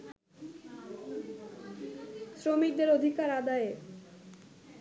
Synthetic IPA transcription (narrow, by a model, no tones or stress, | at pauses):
sɾomik̚d̪eɾod̪ʱikaɾad̪ae